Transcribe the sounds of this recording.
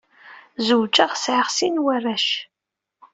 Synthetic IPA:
zuwd͡ʒaʁsʕaʁsinwærːæʃ

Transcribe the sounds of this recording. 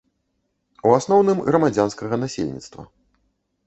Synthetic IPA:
uasnɔwnɨmɣɾɐmad͡zʲanskɐɣɐnasʲḛlʲnʲḭt̪st̪vɐ̰

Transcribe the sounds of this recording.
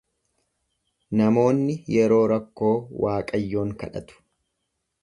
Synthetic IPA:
nɐmo̞ːnːɪjɛɾo̞ːɾɐkːo̞ːwaːkʼɐjːo̞ːŋkɐᶑɐ̰t̪ʊ̥

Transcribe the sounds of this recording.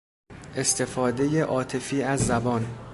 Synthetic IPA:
ʔe̞st̪ʰe̞fɒːd̪e̞je̞ʔɒːt̪ʰe̞fiːæzːæbɒːn

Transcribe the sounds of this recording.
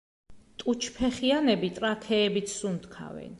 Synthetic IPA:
t̪ʼut͡ʃʰpʰɛχianɛbit̪ʼɾat̪ʰɛːbit̪sʰsunt̪kʰa̰vɛ̰n

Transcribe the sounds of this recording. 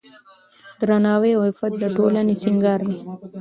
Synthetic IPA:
d̪ɾanɑːweahɪfat̪̚d̪əʈolanesɪŋɡɑːɾd̪i

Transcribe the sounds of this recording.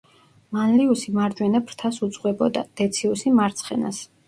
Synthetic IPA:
manliusimaɾd͡ʒwɛnapʰɾt̪ʰasut̪sʼqʼwɛbɔd̪a̰d̪̥ɛt̪sʰiusimaɾt̪sʰχɛna̰s

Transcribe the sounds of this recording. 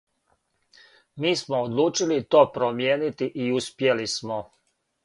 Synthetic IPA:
miːsmoːd̪lˠuːt͡ʃilit̪o̞ːpɾomjeːnit̪iʔiuspje̞lismo

